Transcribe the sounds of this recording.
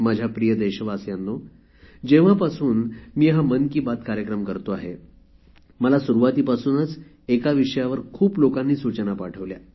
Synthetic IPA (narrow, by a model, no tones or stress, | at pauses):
mad͡ʑʱjapɾijəd̪eɕəʋasjanːo | d͡ʑeʋ̤apasuːnmiːɦamənkiːbat̪kaɾjəkɾəmkəɾt̪oaɦḛ | məlasuɾuʋat̪iːpasuːnət͡s | ekaʋiʂəjaʋəɾkʰuːplokãnːiːsut͡ɕənapaʈʰəʋlja̰